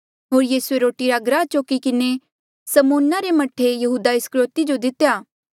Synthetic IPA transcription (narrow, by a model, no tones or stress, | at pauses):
ɦoːɾjiːsueɾoːʈiɾaɡɾaːt͡ʃoːkikɪne | sɐmoːnːaɾemɐʈʰːejɐɦuːd̪aɪskɾoːt̪id͡ʒod̪ɪt̪jaː